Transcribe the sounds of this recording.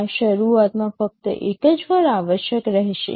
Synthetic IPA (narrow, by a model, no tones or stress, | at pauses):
ʃəɾuat̪mãfək̚t̪ə̰ʔekəd͡ʒʋəɾaʋəʃjəkɾəɦʃḛ